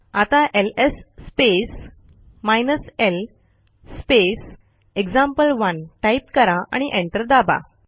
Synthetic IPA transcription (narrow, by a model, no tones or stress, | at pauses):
at̪aʔelesːpes | majnəsel | spes | ekd͡zãmpəlʋənʈaipkəɾaa̰ɽ̃iʔẽɳʈəɾd̪aba̰